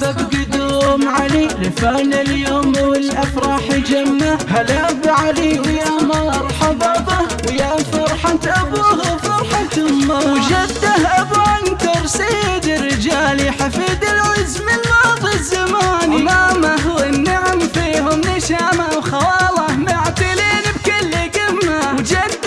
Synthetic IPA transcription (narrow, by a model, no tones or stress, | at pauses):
ðabɡʊd̪uːmʕaliːlɪfaːlɪljoːmʔawɪlʔafɾˤɑħɪd͡ʒamːahalabʕaliwjamɑɾˤħɑbɑdˤɑwjafɑɾˤħat̪ʔabuːhʊfɑɾˤħat̪ʊmːawd͡ʒad̪ːahʔabʕankɑɾˤsɪd̪ɪrːɪd͡ʒaːliħafiːd̪ɪlwɪzmɪlmaːðˤizːamaːnimaːmaɦʊɪnːaʕmfiːɦʊmnɪʃaːmawxawɑːlˤɑhmaʕt̪ɪliːnb̚kɪlːɪɡɪmːawd͡ʒad̪